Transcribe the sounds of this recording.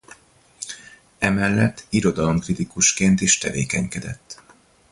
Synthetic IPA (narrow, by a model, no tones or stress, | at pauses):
ɛmɛlːɛt̪ːiɾo̞d̪ɒlo̞mkrit̪ikuʃkeːnt̪iːʃt̪ɛvḛːkɛɲkɛd̪ɛ̰t̪ː